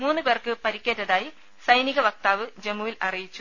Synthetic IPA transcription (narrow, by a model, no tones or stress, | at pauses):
muːnːɨpeːrkɨpɐɾikʲːeːtːɐðaːji | sɐjniɣɐʋɐk̚t̪aːʋɨd͡ʑemːuʋilɐrijit͡ɕːu̥